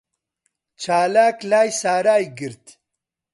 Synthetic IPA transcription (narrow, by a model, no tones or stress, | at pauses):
t͡ʃʰaːlaːklaːjsaːɾaːjɡiɾt̪